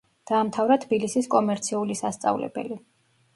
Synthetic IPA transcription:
d̪̥aːmt̪ʰavɾat̪ʰbilisiskʼɔmɛɾt̪sʰiulisast̪sʼa̰vlɛ̰bɛ̰li

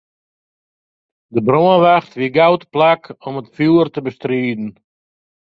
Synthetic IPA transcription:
dəbɾoənʋaχtʋiɡawtplakɔmətfuːrtəbəstriːdn̩

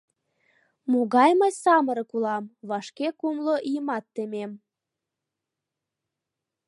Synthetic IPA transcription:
muɣɑjmɑjsɑməɾɤ̆kulɑmβɑʃkekumloʔijəmɑt̪ːemem

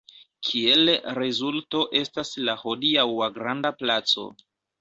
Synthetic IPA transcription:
kʰie̞lɾezulto̞ʔe̞staslaho̞diawaɡɾandaplat͡so̞̰

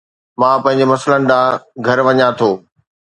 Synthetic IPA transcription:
mãːpɐ̃ɦɪ̃ɲ̆d͡ʑemɐslənɪ̆ɗaːɡʱɐɾʋɐɲãt̪ʰoː

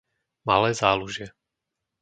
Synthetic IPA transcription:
ma̰lɛːzaːluʒɪɛ

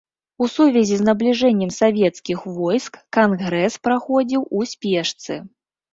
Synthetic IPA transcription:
usuvʲɛzʲiznɐblʲiʐɛnʲːɛmsavʲɛt̪skʲixvɔjskːanɣɾɛspɾaxɔd͡zʲiwusʲpʲɛʂt̪sɨ

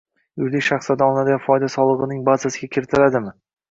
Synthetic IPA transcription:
jʊjd̪ɪkʲʃaχslad̪aɒlˠɪnad̪ɪɡʲanfɒjd̪asɒlˠɨʁɨnɪŋbazasɪɡʲakʲʰɪɾɪt̪ʰɪlad̪ɪmɪ

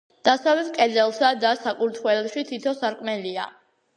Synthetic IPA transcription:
d̪̥asavɛt̪kʼɛd̪zɛlˠsad̪asakʼuɾt̪ʰwɛlɛʃit̪ʰit̪ʰɔsaɾkʼmɛlia̰

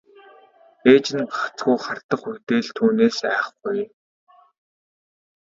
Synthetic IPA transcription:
eːt͡ɕɪ̆nɢḁχt͡sɡujχar̥t̪ə̆χut̪eːɮt̪ʰuːneːsæːχɡuj

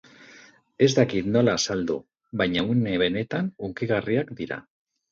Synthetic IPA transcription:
e̞zt̪akit̪no̞laːsald̪ṵ | βajɲauneβe̞ne̞t̪anuŋkiɣ̞ariakd̪iɾa̰

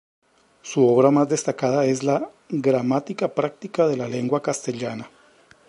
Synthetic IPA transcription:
suo̞βɾamazd̪e̞st̪akaðae̞zla | ɡɾamat̪ikapɾak̚t̪ikaðe̞lale̞ŋɡwakast̪e̞ʎana

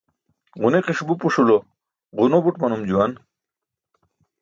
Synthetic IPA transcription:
ʁuneqiʂbupuʂulo | ʁunobuʈmɐnumd͡ʑuwɐn

